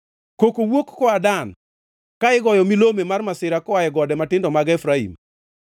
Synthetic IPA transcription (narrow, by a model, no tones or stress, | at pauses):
kokowokːɔadan | kaɪɡɔjɔmilomemarmasɪɾakɔajɛɡɔdɛmatɪndɔmaɡɛfɾaḭm